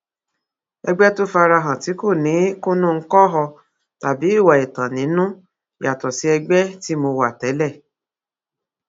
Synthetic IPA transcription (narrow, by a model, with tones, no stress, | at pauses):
ɛ˧ɡ͡bɛ˦to˦fa˧ɾa˧ɦã˨ti˨˦ko˦˨nĩ˨˦ku˦nũ˦˧ŋ̩˦kɔ˦ɦɔ˧ | ta˨bi˨˦i˦˨wa˨e˨tã˨nĩ˨˦nũ˦˨ | a˨tɔ˨si˨˦ɛ˧ɡ͡bɛ˦ti˦mo˧wa˨tɛ˨˦lɛ˦˨